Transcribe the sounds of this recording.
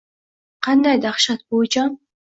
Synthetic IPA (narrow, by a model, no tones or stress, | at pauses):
qʰɑnd̪ɑjd̪ɑχʃɑt̪̚bot͡ʃɑ